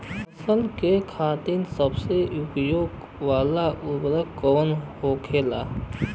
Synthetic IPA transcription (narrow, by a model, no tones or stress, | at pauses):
ɐsəlkekʰaːt̪insəbseʊpjoːɡ | ʋaːlaʔʊbɾəkɔːnhoːkʰeːla̰ː